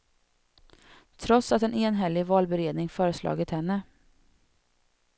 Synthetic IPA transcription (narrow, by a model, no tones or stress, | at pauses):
t̪ʰɾɔt̪sat̪ɛneːnɦɛlːɪɡvɑːlbɛɾeːd̪nɪŋfœːɾəslɑ̰ːɡət̪hɛnːə